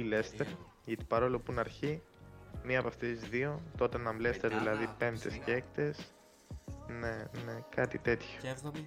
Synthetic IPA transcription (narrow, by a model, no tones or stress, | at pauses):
ilest̪eɾ | ʝɐt̪i̥pɐɾo̞lopunɐɾçi | miɐpɐft̪eszðio̞t̪o̞t̪enɐmle̞st̪eɾðilɐðipe̞nd̪e̞sceekt̪e̞s | ne̞nekɐt̪it̪e̞t̪ço̥